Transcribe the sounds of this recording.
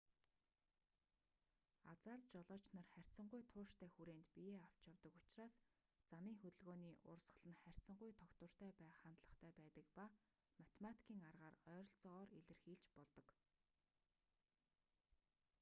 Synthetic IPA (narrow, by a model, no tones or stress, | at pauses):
at͡saːrt̪t͡ɕɔɮɔːt͡ɕnărχær̥ʲt͡sə̆ɴɢʊjt̪ʰʊːʃt̪ʰæːxuɾeːnt̪pijeːaw̥t͡ɕawt̪ə̆kʊt͡ɕraːs | t͡samiːŋxɵt̪ɵ̆ɮɣoːniːʔʊ̰rsə̥̆ɮə̆nχær̥ʲt͡sə̆ɴɢʊjt̪ʰɔkt̪ə̆r̥t̪ʰæːpæːχant̪ɮə̆χt̪ʰæːpæːt̪ə̆kpa | mat̪ʰemat̪ʰi̥kʰiːŋarʁaːrœːɾɞ̆ɮt͡sɔːriɮɘ̆rxiːɮt͡ɕpɔɮt̪ɞ̆k